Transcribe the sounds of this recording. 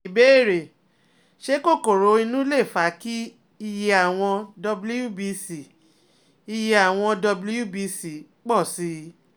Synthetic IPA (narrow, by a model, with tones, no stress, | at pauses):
i˨be˨˦i˦˨ɾe˨ | ʃe˦ko˦˨ko˨ɾo˨˦i˧nũ˦le˦˨fa˨˦ki˦ | i˧je˧a˨w̃ɔ̃˧dɔ˧blu˦ju˦˨bi˧si˨ | i˧je˧a˨w̃ɔ̃˧dɔ˧blu˦ju˦˨bi˧si˨ | k͡pɔ˦˨si˨˦